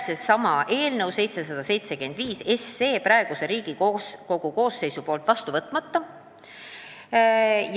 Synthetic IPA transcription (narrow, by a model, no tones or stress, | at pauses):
sesɑmɑʔe̞ːlnɤwse̞jt̪se̞sɑd̪̥ɑse̞jt̪se̞kyend̪viːse̞sːe̞ːpɾɑe̞ɡ̥use̞ɾiːɡ̥iko̞ɡ̥uko̞ːsːe̞jsupo̞ːlt̪ˑvɑst̪uvɤt̪ːˑmɑt̪ːɑ | j